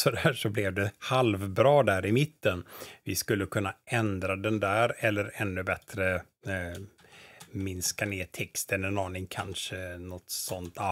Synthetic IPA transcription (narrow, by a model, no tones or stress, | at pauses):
sɔd̪æːʂɔblɛvd̪ɛhalvbɾɑːd̪æɾɪmɪt̪ːənvɪskɵlːəkʰɵnːaʔɛnd̪ɾad̪ɛnd̪æːɾɛlːəɾɛnːɵbɛt̪ɾə | mɪnskaneːt̪ʰɛkst̪ənɛnɑːnɪŋkʰanʂənɔt̪sɔnt̪ʰa